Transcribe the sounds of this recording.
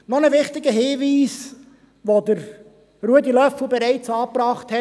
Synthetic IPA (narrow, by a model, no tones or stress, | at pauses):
nɔnəʋɪχtɪɡəɦiːviːs | ʋodəɾ | ruədilœfl̩bɛɾɛɪt͡sɑːpɾɑːχthɛ